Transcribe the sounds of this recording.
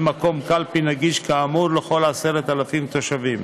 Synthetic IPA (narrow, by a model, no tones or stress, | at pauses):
mako̞mkalpinaɡiʃkaːmuɾlexo̞lase̞ɾet̪alafimt̪o̞ʃavim